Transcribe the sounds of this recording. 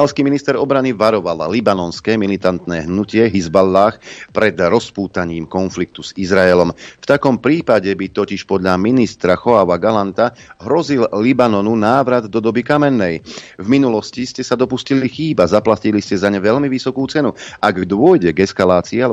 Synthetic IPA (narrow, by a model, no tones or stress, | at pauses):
alskiːminist̪ɛɾɔbɾaniʋaɾɔʋallibanɔnskɛːmilit̪ant̪nɛːɦnucɪɛɦizbalːaːxpɾɛd̪ɾɔspuːt̪aɲiːmkɔnflik̚t̪uz̥izɾaɛlɔmft̪akɔmpɾiːpaɟɛbit̪ɔciʃpɔd̪ʎaminist̪ɾaxɔaʋaɡalant̪a | ɦɾɔzillibanɔnunaːʋɾad̪ːɔd̪ɔbikamɛnːɛjvminulɔsciscɛsad̪ɔpuscilixiːbazaplaciliscɛzaɲɛʋɛʎmiʋisɔkuːt͡sɛnuʔaɡd̪ʊɔjɟɛɡɛskalaːt͡siːa